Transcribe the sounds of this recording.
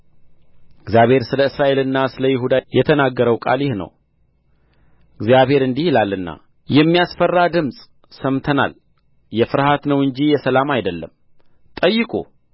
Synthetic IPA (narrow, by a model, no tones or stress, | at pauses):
ɨɡzjaβhe̞ɾsɨləɨsɾaʔe̞lɨnːasɨləjɪɦud̪ajɛt̪ʰənaɡːəɾəwkʼa̰ljɪhnə̰w | ɨɡzjaβhe̞ɾɨnd̪ihɪlalːɨnːa̰ | jɛmːijasfərːad̪ɨmsʼ | səmt̪ʰəna̰l | jɛfɨɾhat̪nəwɨɲd͡ʒijɛsəlamajd̪əlːə̰m | t̪ʼəjːɨkʼṵ